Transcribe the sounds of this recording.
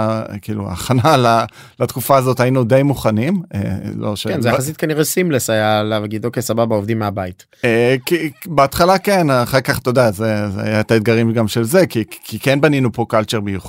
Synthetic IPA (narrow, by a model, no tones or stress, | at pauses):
kiːlua̰ːχanala | lat̪kufaːzo̞tajinud̪ejmuχanimḛloʃekenzeaas̬it̪̚kaniʁesimlesajaleavɡid̪okejsababaovd̪imːeabait | ekibeat̪χalakenaχakaχt̪odaazezea̰jaet̪aed̪̚ɡaʁimɡamʃe̞lzekikʰikenbaninupo̞kalt͡ʃeʁbijuχ